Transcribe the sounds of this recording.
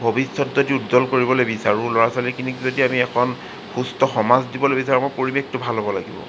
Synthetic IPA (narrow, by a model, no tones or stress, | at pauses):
bʱobisːɔtzodiutzɔlkoɹibɔlobisaɹʊ̃lɔɹasalɛkinikizodiamiɛkʰɔn | xustɔxɔmazdibɔlojbisaɹɔmojpoɹibek̚tʊbʱalɦɔbɔlaɡḭbɔ̰